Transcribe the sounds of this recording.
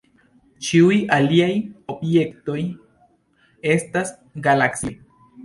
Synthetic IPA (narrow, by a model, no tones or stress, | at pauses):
t͡ʃiujaliajo̞bje̞kto̞j | e̞stas | ɡalaksi